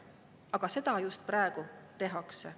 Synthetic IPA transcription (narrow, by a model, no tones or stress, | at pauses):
ɑɡ̥ɑse̞d̪̥ɑjust̪̚prɑeɡ̥ut̪e̞ɦɑkse